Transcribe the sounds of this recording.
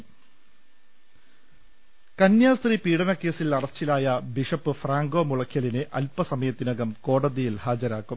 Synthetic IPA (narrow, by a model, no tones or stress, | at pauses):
kɐnjaːst̪ripiːɽɐnɐkːe̞ːsilɐrɐst͡ɕːilaːjɐbiʂɐpːɨfraːŋɡo̞ːmuɭɐkʰjɐlineʔɐ̰lpɐsɐmɐjɐt̪ːinɐɣɐmko̞ːɽɐðijilhaːd͡ʑɐɾaːkːum